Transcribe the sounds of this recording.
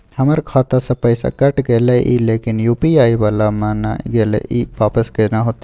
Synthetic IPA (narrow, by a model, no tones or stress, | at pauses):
hɐmɐɾkʰaːt̪asɐpɐjsa̰kɐʈɡeːlɐʔḭːleːkɪnjuːpiaːiʋalamãːna̰ɡeːlḛʔiːʋaːpəskenaɦot̪i